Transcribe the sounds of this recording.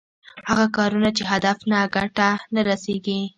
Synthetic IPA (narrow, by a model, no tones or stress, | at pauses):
haɣakɑɾunat͡ʃeɦad̪afnaɡaʈanaɾaseɡi